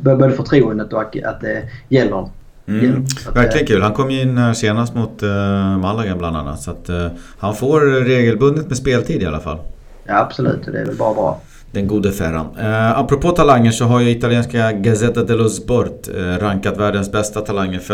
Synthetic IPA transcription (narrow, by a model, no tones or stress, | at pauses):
bboːd̪əfɔʈ̪ʰɾuːənd̪ət̪ɔaa̰t̪̚d̪ɛjɛlːəɾɔm | m̩ːvæɾklɪɡənkʰʉ̟ːlhankʰɔmːjɪnːæseːnast̪mʊt̪malːaɡabland̪a̰nːa̰t̪sat̪hanfoːɾɾeːɡəlbɵnd̪ət̪mɛspeːlt̪ʰiːd̪ɪa̰la̰fa̰lː | jaab̥sɔlʉ̟̰ːt̪ɔd̪ɛ̰ɾvɛ̰lbɑːɾabɾɑ̰ː | d̪ɛnɡuːd̪əfæɾa̰napːɾɔpʰoːt̪ʰalaŋːəʂɔɦaɾjɵɪt̪alɪeːnskaɡasɛt̪ːad̪ɛlɔsbɔɾt̪ɾaŋkat̪væːɖənsbɛst̪at̪ʰalaŋːəɾf